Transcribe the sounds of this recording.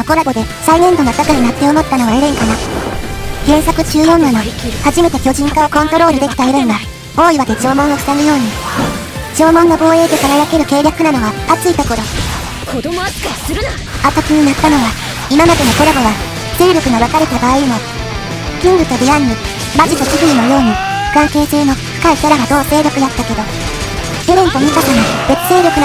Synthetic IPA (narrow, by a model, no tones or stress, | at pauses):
oko̞ɾaɡo̞d̪e̞ | sainẽ̞nd̪o̞not̪akainat̪ːeoːmo̞t̪ːano̞βaeɾẽŋkana | ɡ̥ẽ̞ɰ̃sakɯ̟ʑɨːjo̞ːnːano̞haʑime̞t̪e̞kʲo̞ʑĩŋkaokõ̞nt̪o̞ɾo̞ːɾɯ̟d̪e̞kʲi̥t̪aeɾẽŋɡa | o̞ːiβad̪e̞t͡ɕo̞ːmõ̞ɰ̃o̞ɕi̥t̪amɯ̟jo̞ːɲ̟i | t͡ɕo̞ːmõ̞ŋːɡobo̞ːe̞ːt̪e̞kaɾajake̞ɾɯ̟ke̞ːɾjakɯ̟nano̞βaat͡sɨit̪o̞ko̞ɾo̞ | at̪akʲiɲ̟inat̪ːano̞βa | imamad̪e̞no̞koɾaɡoβa | se̞ːɾʲjo̞kɯ̟ɡaβakaɾe̞t̪abaːimo | kʲĩŋɡɯ̟t̪o̞ɾʲiaɲːi | maʑit̪o̞t͡ɕihɯ̟ino̞jo̞ːɲ̟iɯ̥kãŋke̞ːseːno̞ɸɯ̟̥kaisaɾaɡad̪o̞ːse̞ːɾʲo̞kɯ̟jat̪ːake̞d̪o̞ | eɾẽ̞nt̪oɲikat̪anob̥e̞t͡sɨ̥se̞ːɾʲo̞kɯ̟n